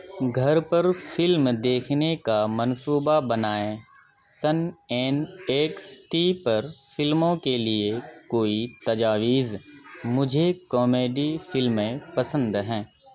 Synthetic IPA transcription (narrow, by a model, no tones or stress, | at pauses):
ɡʱɐɾpɐɾfɪlmd̪eːkʰnekamɐnsuːbabɐnaːẽ | səneːneːksʈiːpɐɾfɪlmõkeliekoːit̪ɐd͡ʒaːʋiːzmʊd͡ʒʱekɔːmeːɖifʰɪlmẽpɐsə̃nd̪ɦɛ̃ː